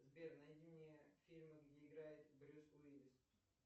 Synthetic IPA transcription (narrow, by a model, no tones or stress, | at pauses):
zbʲernɐdʲinʲɪjəfʲilʲmɨɡdʲeɪɡɾajɪt̪bɾʲusʊvʲidʲɪs